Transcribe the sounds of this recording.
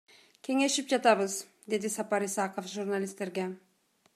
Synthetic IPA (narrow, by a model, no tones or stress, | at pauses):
kʲʰe̞ŋe̞ʃipd͡ʒɑt̪ɑβɯz | d̪e̞d̪isɑpɑɾisɑqofʒurnalʲist̪e̞ɾɡe̞